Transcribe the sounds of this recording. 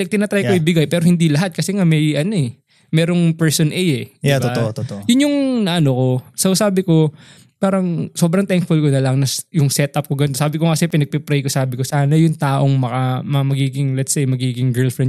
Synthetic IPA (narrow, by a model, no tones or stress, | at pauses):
ɛk̚t̪ɪnɐt̪ɾajkoɪbɪɡajpɛːɾo̞hɪnd̪ilɐɦat̪̚kɐsɛŋamɐjʔɐno̞ɛ | mɛːɾo̞ŋpɛɹsonʔɛjɛatb̪ot̪ot̪jʊnjʊŋnɐʔɐno̞ko̞sɐwsaːbɪko̞ | paːɾɐŋso̞ːbɾɐŋt̪ɛŋkfʊlkonɐlɐŋnɐjʊŋsɛt̪̚ʔɐp̚koɡɐnt̪osaːbɪkokɐsɛpɪnɐɡ̚pɛpɾɛjkosaːbɪko̞saːnɐjʊŋt̪aːʔo̞ŋmɐkamɐɐmɐɡiːɡɪŋlɛt̪sejmɐɡiːɡɪŋɡɛɹlfɾɛn